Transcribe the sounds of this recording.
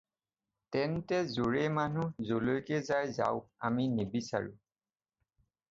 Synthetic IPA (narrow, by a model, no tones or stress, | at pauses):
tɛntɛzoɹemanuzolojkɛzajza̰ʊa̰minebisa̰ɹṵ